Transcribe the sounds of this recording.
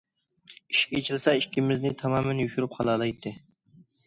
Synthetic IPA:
iʃkʲet͡ʃʰilˠsɛiʃkʲimɪznɪt̪ʰɑmɑːmɛnjuʃuɾup̚qʰɑlˠɑlˠɑjt̪ʰːɨ

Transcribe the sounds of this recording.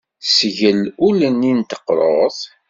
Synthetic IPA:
sʝəlulənːint̪ə̥qːɾˤoðˤ

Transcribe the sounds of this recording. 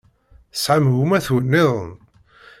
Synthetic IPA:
sʕamɣumæθwnːɪðˤə̰n

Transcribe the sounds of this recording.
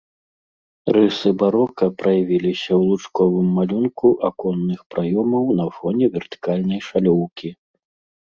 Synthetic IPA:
rɨsɨbaɾɔkɐpɾɐjavʲilʲisʲɐwlˠut͡ʂkɔvɨmːalʲunkuʔakɔnːɨxpɾʔajɔmɐwnɐfɔnʲɛvʲɛrt̪ɨ̥kalʲnɐjʂalʲɔwkʲi

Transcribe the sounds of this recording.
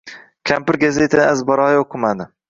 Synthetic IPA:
kʲʰampɪɾɡʲazet̪ʰanɪazbɒɾɑjoqʰːɨmad̪ɪ

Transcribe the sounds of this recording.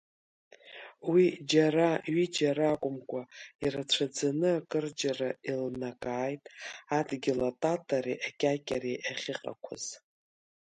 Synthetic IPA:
wid͡ʒaɾaɥid͡ʒaɾakʷʼʊmkʷʼairat͡ɕʷʰad͡zanɨakʼɨrd͡ʒarailnakʼaːjtʼadɡʲilatʼatʼaɾiʔakʲʼakʲʼareʔaχʲɪqʼa̰kʷʰa̰z̥

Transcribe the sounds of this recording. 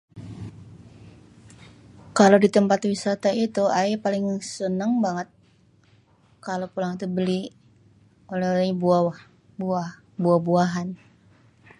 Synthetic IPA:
kalodit̪əmpat̪wisat̪ait̪uaipalɪŋsənəŋbaŋət̪̚ | kalopulaŋit̪ubəli | olɛolɛɲbuawa | bua | buabuaɦan

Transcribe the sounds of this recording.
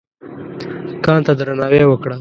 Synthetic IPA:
kɑːnt̪ad̪ɾanɑwewəkɽa

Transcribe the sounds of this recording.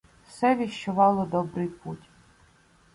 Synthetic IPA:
wsɛʋʲiʃt͡ʃʊʋɑlˠɔd̪ɔbɾɪjputʲ

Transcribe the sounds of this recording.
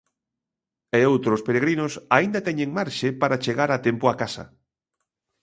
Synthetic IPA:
eowt̪ɾospeɾeɣɾinʊsaind̪at̪ɛɲeŋmaɾʃepaɾat͡ʃeɣaɾat̪empʊakasa̰

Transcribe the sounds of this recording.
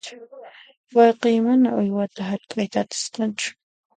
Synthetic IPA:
wɑjqiːmanaʊjwat̪aɦaɾkʼajt̪aːt̪ḁsqɑnt͡ʃʊ̥

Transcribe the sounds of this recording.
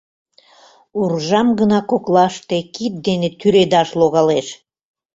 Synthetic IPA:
urʒɑmɡənɑkoklɑʃt̪ekit̪̚d̪enet̪yɾed̪ɑʃloɣɑleʃ

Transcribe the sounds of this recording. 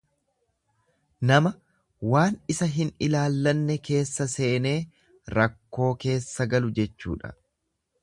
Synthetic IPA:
nɐmɐ | waːnɪsɐɦɪnɪlaːlːɐnːɛke̞ːsːɐse̞ːne̞ː | ɾɐkːo̞ːke̞ːsːɐɡɐlʊd͡ʒɛt͡ʃːṵːᶑɐ̥̰

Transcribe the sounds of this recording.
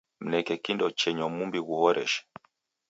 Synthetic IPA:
m̩nɛkɛkindɔt͡ʃɛɲɔmumbiɣuhɔɾɛ̰ʃɛ̥

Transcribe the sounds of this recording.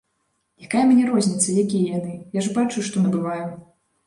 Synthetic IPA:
jakajɐmʲnʲɛɾɔzʲnʲit̪sɐjakʲijɐjanɨjaʐbat͡ʂuʂt̪ɔnɐbɨvaju

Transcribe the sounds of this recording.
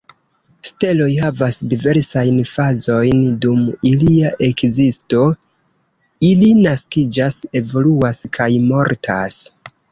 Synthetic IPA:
ste̞lo̞jhavasdive̞ɾsajnfazo̞jndumiliaʔe̞kzisto̞ | ilinaskid͡ʒase̞vo̞luaskʰajmo̞ɾtʰa̰s

